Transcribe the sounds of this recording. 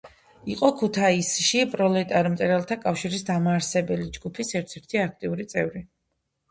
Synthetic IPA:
iqʼɔkʰut̪ʰaisʃipʼɾɔlɛt̪ʼaɾmt̪ʼɛɾɛlˠt̪ʰakʼafʃiɾisd̪amaːɾsɛbɛlid͡ʒɡupʰisɛɾt̪ʰɛɾt̪ʰiak̚ʰt̪ʼiuɾit̪sʼɛvɾi

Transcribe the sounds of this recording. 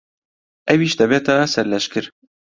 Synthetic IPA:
ɛwiːʃd̪ɛbɛːt̪ɑːsɛɾlɛʃkɨɾ

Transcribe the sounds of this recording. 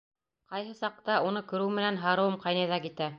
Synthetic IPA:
qɑjɦɤsɑq̚t̪ɑunɤkɵ̆ɾɘwmɘ̆nænɦɑɾɤ̆wɤmqɑjnɑjðɑkit̪æ

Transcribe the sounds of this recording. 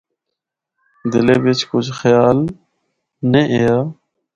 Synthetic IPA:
d̪ɪleːbet͡ʃkʊt͡ʃʰxjaːl | neʔejaː

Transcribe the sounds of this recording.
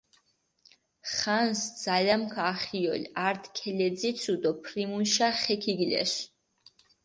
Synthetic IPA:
χansd̪z̥alamkʰaχiɔ̰lʲaɾt̪ʰkʰɛlɛd̪zit̪sʰud̪ɔpʰɾimunʃaχɛkʰiɡlɛ̰ʃ

